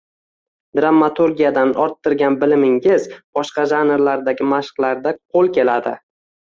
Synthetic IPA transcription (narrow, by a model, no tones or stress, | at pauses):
d̪̥ɾamːat̪ʰuɾɡʲijad̪anɒɾt̪ːɪɾɡʲanbɪlɪmɪŋɪzb̥ɒʃqɑʒanɾlaɾd̪aɡʲɪmaʃqlˠaɾd̪aqʰolˠkʲʰe̞lad̪ɪ̰